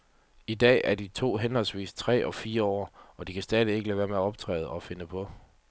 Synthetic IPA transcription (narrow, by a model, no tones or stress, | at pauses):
id̥ɛ̰ːæɐdit͡sʰo̝̰ːɦenhɒ̽lsʋḭːst͡sʰʁɛ̰ːʔɒ̽fiːɐɒ̰ːɒ̽d̥ikʰæsd̥ɛːð̞ˠie̝ɡ̥əlɛʋæːɐmeæɒ̽b̥̚t͡sʰʁɛ̰ːð̩ˠɒ̽fe̝nəpʰɒ̽